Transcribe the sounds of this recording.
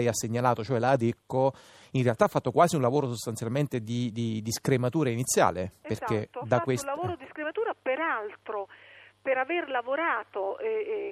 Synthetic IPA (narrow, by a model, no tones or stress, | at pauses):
ɛjasːeɲːalaːt̪ot͡ʃoɛlaːd̪ekːo | inrealt̪aːfːat̪ːokwaːziunlavoːɾosost̪ant̪sjalment̪ed̪id̪id̪iskɾemat̪uːɾainit̪sːja̰ːleperket̪ːod̪akːweslavoːɾod̪iskɾemat̪uːɾapeɾalt̪ɾopeɾaverlavoɾaːt̪oɛ